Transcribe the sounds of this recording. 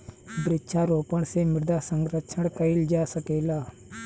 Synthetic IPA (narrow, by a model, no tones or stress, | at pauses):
bɾɪʃʰaːɾoːpəɽsemɪɾd̪aːsəŋɡɾət͡ʃʰəɽkəɪld͡ʒaːsəkeːlaː